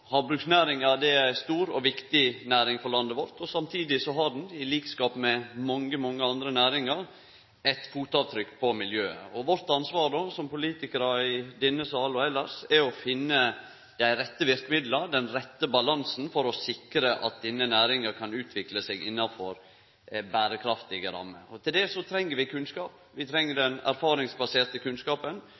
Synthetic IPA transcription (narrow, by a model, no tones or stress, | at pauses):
hɑɾbɾʉksnæːɾɪŋɑd̪ɛæɪst̪uːɾɔʋɪkt̪ɪnæːɾɪŋfɔɾɭɑnd̪əʋɔɾt̪ɔsɑmt̪ʰiːd̪ɪsɔɦɑɖnɪliːkskɑːpmɛmɑŋːəmɔŋːəɑnd̪ɾənæːɾɪŋɑɾ | ɛt̪fuːt̪ɑːʋt̪ʰɾʏkːpʰɔmɪljøːə̰ɔʋɔɾt̪ɑnsʋɑːɾɖ̪oːsɔmpʊliːt̪ɪkəɾɑɪd̪ɪnːəsɑːlɔɛlːəɾsɛɔfɪnːə | d̪̥æɪɾɛt̪ːəʋɪɾkəmɪd̪lɑɾd̪ɛnɾɛt̪ːəbɑlɑnsn̩fɔɾɔsɪkɾəʔɑ̰t̪̚d̪ɛnːənæːɾɪŋəɾkʰɑnʉːt̪ʰʋɪkləseɡɪnːɑfɔɾ | bæːɾəkʰɾɑft̪ɪɡəɾɑ̰mːəɔt̪ʰɪld̪ɛsɔt̪ʰɾɛŋːəɾʋɪkʰʉnskɑːp | ʋɪt̪ʰɾɛŋːəɖɛnæ̰ɾfɑːɾɪŋsbɑseːɾt̪əkʰʉnskɑːpən